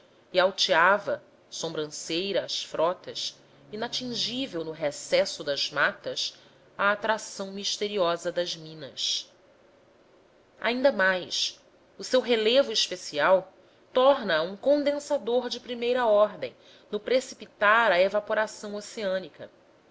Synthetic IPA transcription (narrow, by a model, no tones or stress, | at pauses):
iawt͡ʃiavɐ | sõmbɾɐ̃sejɾɐːsfɾʔɔt̪ɐs | inat͡ʃĩʒivewnʊɦesɛsʊd̪ɐz̥mat̪ɐs | ɐːt̪ɾasɐ̃w̃miʃt̪eɾiɔzɐd̪ɐzmĩnɐ̰s | a̰ĩnd̪ɐmajs | ʊsewɦelevʊiʃpesiaw | t̪ɔɾnɐũkõd̪ẽsad̪oɾd͡ʒɪpɾimejɾɐɔɾd̪ḛ̃j̃ | nʊpɾesipit̪aɾɐevapoɾasɐ̃w̃oseɐ̃nikɐ̰